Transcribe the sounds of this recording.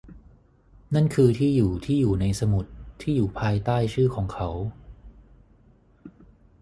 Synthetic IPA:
na˥˩nkʰɯː˧t̪ʰiː˥˩juː˨˩t̪ʰiː˥˩juː˨˩na˧jsa˧mu˨˩t̪ʰːiː˥˩juː˨˩pʰaː˧jt̪aː˥˩jt͡ɕʰɯː˥˩kʰɔː˩˦ŋkʰa˦˥w

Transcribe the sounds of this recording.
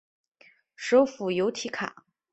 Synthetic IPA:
ʂo˥ʊfu˨˩jo˧˥ʊt̪ʰi˧˥kʰa̰˨˩˦

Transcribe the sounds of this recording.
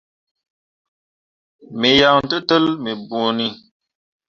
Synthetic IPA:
mi˨ja˨n̩˦tə˦tə˦lmi˨bu˨ni˦

